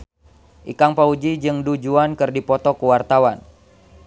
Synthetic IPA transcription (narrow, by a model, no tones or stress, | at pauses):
ʔikaŋpaud͡ʒid͡ʒɨŋdud͡ʒuankɨrdipɔt̪ɔkuwart̪awan